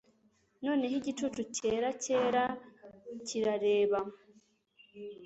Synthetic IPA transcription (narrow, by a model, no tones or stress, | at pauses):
no̞ːne̞ɦiɟit͡ʃutuce̞ːɾace̞ːɾa | ciɾaɾe̞ːβa